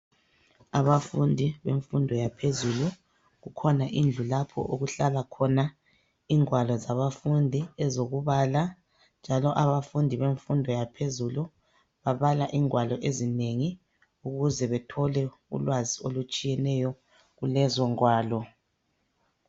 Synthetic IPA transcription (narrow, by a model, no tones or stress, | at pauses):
aβafundʱiβeɱfundʱɔjapʰezulu | ɣukʰɔnaʔind͡ɮʱulapʰɔ̰ʔuɣuɬalakʰɔna | iːŋwalɔzaβafundʱiɛzoɣuβala | nd͡ʒʱalɔʔaβafundʱiβeɱfundʱɔjapʰezulu | βaβalaʔiŋwalɔʔezineŋi | uɣuzɛβɛtʰɔlɛ | ṵlwaziolut͡ʃʼijɛnɛjɔ | ɣulɛzɔŋwaːlɔ